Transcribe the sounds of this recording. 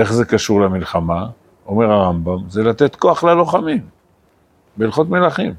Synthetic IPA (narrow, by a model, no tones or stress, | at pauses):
e̞χze̞kaʃuʁlamilχama | o̞me̞ʁaʁambamze̞lat̪e̞t̪ko̞aχlalo̞χamim | belχo̞t̪me̞laχim